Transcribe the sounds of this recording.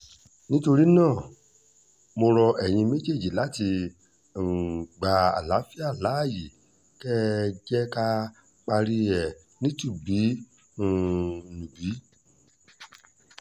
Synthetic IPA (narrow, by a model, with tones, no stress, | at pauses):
nĩ˦to˧ɾi˦nãː˦˨ | mo˧ɾɔ˧ʔɛ˨j̃ĩ˧me˦d͡ʒe˦˨d͡ʒi˨la˨˦ti˧˨ | ɡ͡ba˨a̰˨la˨˦fi˦a˦˨la˨˦˨ji˨ | kɛ˦d͡ʒɛ˦ka˧ | k͡pa˧ɾi˧ɛ˨ | nĩ˦tu˦˨bi˨˦˨ | nũ˨bi˨˦